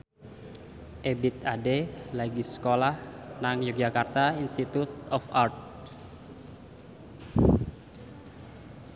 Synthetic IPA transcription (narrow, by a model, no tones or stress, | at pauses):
ʔebit̪adelaɡisə̥kolahnaŋjuk̚d͡ʒakart̪ainst̪it̪ut̪ɔfart̪̚